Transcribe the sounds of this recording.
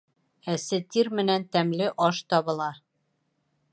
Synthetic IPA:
æsɘt̪iɾmɘ̆nænt̪æmlɘʔɒʃt̪ɒβɤ̆lˠɑ

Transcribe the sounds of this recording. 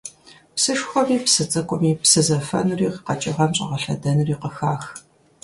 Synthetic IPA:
psɨʂxʷɔmiːpsɨt͡sʼɐkʷʼʊmiːpsɨzɐfɐ̰nuriːqqɐt͡ʃʼɪʁɐmɕʼɐ̰ʁɐɬɐ̰dɐnuriːqəxaːx

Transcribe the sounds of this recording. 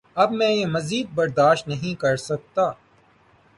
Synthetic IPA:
ɐbmɛ̃ːjemɐziːd̪̚bɐɾd̪aːʃt̪nɐɦĩkɐɾsɐk̚t̪aː

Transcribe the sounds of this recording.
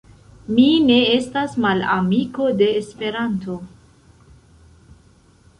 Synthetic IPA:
mine̞e̞stasmala̰miko̞de̞ːspe̞ɾanto̞

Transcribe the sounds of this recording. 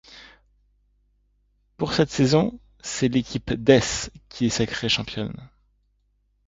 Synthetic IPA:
puʁsɛt̪sezɔ̃ | sɛlekʲʰipd̪ɛskʲiɛsakχeʃɑ̃pjɔn

